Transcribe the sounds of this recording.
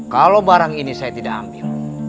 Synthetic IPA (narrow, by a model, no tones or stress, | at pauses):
kalobaɾaŋinisajat̪idaʔa̰mbil